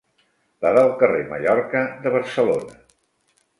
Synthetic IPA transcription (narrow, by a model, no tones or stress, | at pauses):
baðalˠkəremə̰ʎɔɾkəðəβəɾsəlonə